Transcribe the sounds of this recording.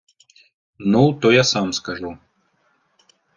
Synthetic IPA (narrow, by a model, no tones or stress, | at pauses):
nuwt̪ɔjasamskaʐu